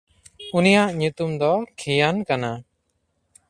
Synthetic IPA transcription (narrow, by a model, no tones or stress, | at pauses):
unijaʔɲut̪umd̪ɔkʰijankana